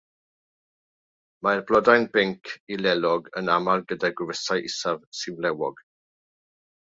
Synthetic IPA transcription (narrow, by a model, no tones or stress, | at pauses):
maɛrblɔdajnbɪŋkʰilɛlɔɡənamalˠɡədaɡwɪvəsajʔɪsavsɪvlɛwɔɡ̥